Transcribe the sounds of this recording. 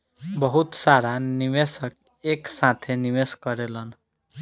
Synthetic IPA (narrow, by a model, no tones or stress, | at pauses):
bʌɦut̪saɾanimesʌk | eksãt̪ʰenimeskʌɾelʌn